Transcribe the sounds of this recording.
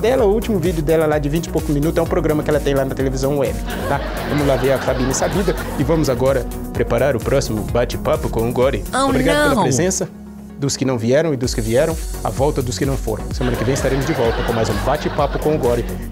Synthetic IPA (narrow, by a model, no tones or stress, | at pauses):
d̪ɛlɐʊuwt͡ʃimʊvid͡ʒɪʊd̪ɛlɐlad͡ʒɪvĩt͡ʃɪ̥powkʊmĩnut̪ʊɛʊ̃pɾoɡɾɐ̃mɐkɪɛlɐt̪ẽj̃lanɐt̪elevizɐ̃w̃ʊɛbɪ | t̪a | vɐ̃mʊzlaveɾɐfabĩnɐsabid̪ɐɪvɐ̃mʊzaɡɔɾɐpɾepaɾaɾʊpɾɔsimʊbat͡ʃɪpapʊkõʊɡɔɾɪobɾiɡad̪ɐpeelɐpɾezẽsɐ | d̪ʊskɪnɐ̃w̃viɛɾɐ̃w̃ɪd̪ʊskɪviɛɾɐ̃w̃a̰vɔwt̪ɐd̪ʊskɪnɐ̃w̃fo̰ɾɐ̃w̃semɐ̃nɐkɪvẽj̃ɪst̪aɾẽmʊzd͡ʒɪvɔwt̪ɐkõmajzũbat͡ʃɪpapʊkõʊɡɔɾɪ